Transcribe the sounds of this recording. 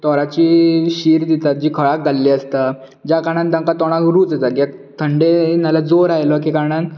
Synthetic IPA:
t̪ɔɾat͡ɕiɕiːɾd̪it̪at̪̚d͡ʑiːkʰəɭak̚ɡalːiəst̪a | d͡ʑakaɽ̃ãnd̪ə̃ŋkat̪ɔɽ̃akɾuːt͡sət̪akat̪ʰəɳɖenalad͡zoɾajlək̬ikaɾɳan

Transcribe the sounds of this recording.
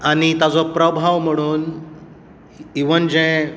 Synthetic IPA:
aɽ̃it̪ad͡zɔpɾəbʱaʋm̤əɽ̃uːn | iʋənd͡ʑɛ̃

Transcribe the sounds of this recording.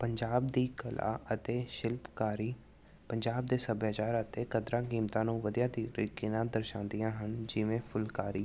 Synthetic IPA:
pəɲd͡ʒaːb̚d̪iːkəlʔa̰ːʔət̪eːʃɪlpkaːɾiː | pəɲd͡ʒaːb̚d̪eːsəbjaːt͡ʃaːɾət̪eːkəd̪ɾaːkiːmt̪ãːnũːʋəd̪ijaːd̪iɾɪkinãːd̪əɾʃãːnd̪ijãːɦənd͡ʒɪʋẽːpʰʊlkaːɾiː

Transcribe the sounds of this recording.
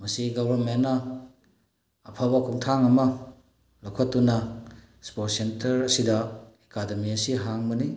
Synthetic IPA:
mɐsiɡowbɐɾmenːɐ | pʰabɐkʰuŋtʰaŋɐmɐ | lawkʰɐtːunɐ | spot̚sentɐɾɐsidɐekademiɐsiɦaŋbɐni

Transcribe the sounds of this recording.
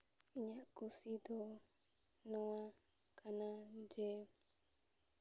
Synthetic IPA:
iɲakusid̪o | nɔa | kʰanad͡ʒe

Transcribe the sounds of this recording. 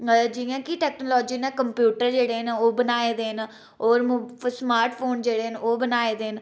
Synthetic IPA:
d͡ʒijãːkiʈɛːknoːlɔːd͡ʒiːneːkəmpjuːʈəɾd͡ʒeːɽeːɦnaoːbənaːeːd̪eːɦən | ɔːɾmsmaːɾʈʰpʰoːnd͡ʒeːɽeːɦənoːbənaːeːd̪eːən

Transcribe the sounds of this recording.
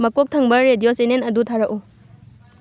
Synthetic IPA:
mɐkok̚tʰɐŋbɐɾedijosenenɐdutʰaɾɐkʔu

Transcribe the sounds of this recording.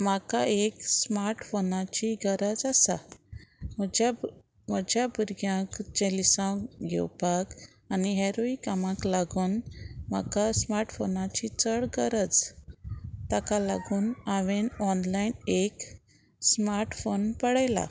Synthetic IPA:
makaeksmaɾʈfonat͡ɕiɡəɾəd͡zasa̰ | məd͡ʑa | m̤əd͡ʑjabuɾɡjãkd͡ʑelisãɡʱɛ̰wpak | aniɦeɾoikamãklaɡuːnma̰kasmaɾʈfonat͡ɕit͡səɽɡəɾəd͡z | t̪akala̰ɡuːnaʋenɔnlainek | smaɾʈfonpəɽajla̰

